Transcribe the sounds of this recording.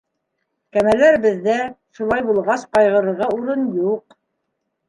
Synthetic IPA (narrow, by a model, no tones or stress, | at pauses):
kæmælæɾɘ̆bɘ̆ðːæʃulˠɑjbulˠʁɑsqɑjʁɤ̆ɾɤ̆ɾʁɑuɾɤnjuq